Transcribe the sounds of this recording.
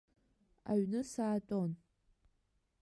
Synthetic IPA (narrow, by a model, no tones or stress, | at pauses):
a̰ɥnɨsaːtʼon